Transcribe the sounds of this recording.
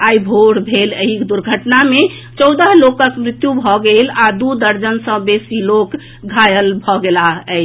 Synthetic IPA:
ajbʱoɽbʱeləɦikd̪uɾɡʱəʈname | t͡ʃɔwd̪əɦlokəkmɾit̪jubʱɔɡelad̪ud̪əɾd͡ʒənsə̃besilok | ɡʱajəlbʱɔɡelaɦɛɪ

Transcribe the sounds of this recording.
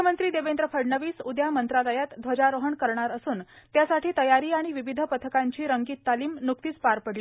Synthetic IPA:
əmənt̪ɾiːd̪eʋend̪ɾəfʰəɽɳəʋiːsud̪jamənt̪ɾaləjat̪d̪ʱʋəd͡ʑaɾoɦəɳkəɾɳaɾəsuːnt̪jasaʈʰiːt̪əjaɾiːaɽ̃iʋiʋid̪ʱəpət̪ʰəkaɲt͡ɕiːɾəŋɡiːt̪ːaliːmnuk̚t̪iːt͡spaɾpəɽli

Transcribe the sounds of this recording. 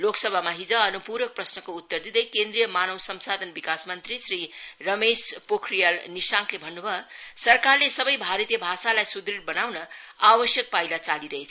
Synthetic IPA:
loksʌbʱamaɦid͡zʌːnupuɾʌk̚prʌsnʌkout̪ːʌrd̪id̪ʌjkend̪rijʌmanʌwsʌmsad̪ʱʌnbikasmʌnt̪ɾisɾirʌmespokʰrijalnisãkʰlebʱʌnːubʱʌsʌrkarlesʌbʌjbʱaɾʌt̪jʌbʱasalajsud̪ɾiɽbʌnawnʌ | abʌsjʌk̚pajlat͡saliɾʌɦet͡sʰ

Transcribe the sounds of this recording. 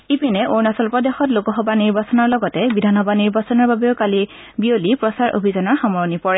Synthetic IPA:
ipinɛʔoɹnasɔlpɔdexɔtlokɔɦɔbaniɹbasɔnɔɹlɔɡɔtɛbidʱanɔbaniɹbasɔnɔɹbabeʊkali | biolipɹɔsaɹʔo̰bʱizanɔɹxɔmɔɹɔnipɔɹɛ

